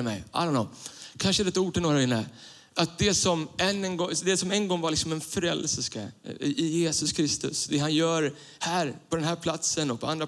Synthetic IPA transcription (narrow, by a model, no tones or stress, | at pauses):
mɛ̰jʔa̰lːɔnːɔmkʰanʂəd̪ɛt̪ːuːʈɪlnoːɾaɪnːə | ʔat̪̚d̪ɛsɔmɛnɛnɡɔd̪ɛsɔmɛnɡɔŋːvaɾlɪksɔmɛnfɾɛlːsəskaʔɪjeːsɵskʰɾɪst̪ɵ̰sd̪ɛɦanjœːɾ | hæːɾpʰɔd̪ɛnɦæːɾpʰlat̪sənɔk̚pʰɔand̪ɾa